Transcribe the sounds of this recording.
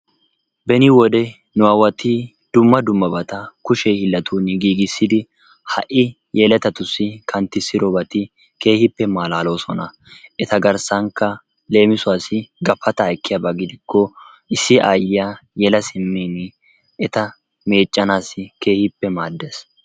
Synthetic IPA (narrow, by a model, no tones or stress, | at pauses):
bɛnɪwɔd̪ɛ | nʊwaːwɐt̪i | d̪̥ʊmːɐd̪ʊmːɐbɐt̪ɐkʊʃɛhɪlːɐt̪uːnɪɡiːɡɪsːɪd̪ɪ | hɐ̰ʔɪ | jɛlɛt̪ɐt̪ʊsːɪkʰɐnt̪ːɪsːɪɾɔbɐt̪ɪ | ke̞ːhɪpːɛmaːlaːlo̞ːsɔnɐ | ʔɛt̪ɐɡɐɾsɐŋkːɐ | le̞ːmɪsʊaːsɪɡɐfːɐt̪ɐːjkːɪjɐbɐɡɪd̪ɪkːɔ | ɪsːɪʔaːjːɪjaːjɛlɐsɪmːeːnɪ | ɛt̪ɐ | me̞ːt͡ʃʼːɐnaːsɪke̞ːhɪpːɛmaːd̪ːes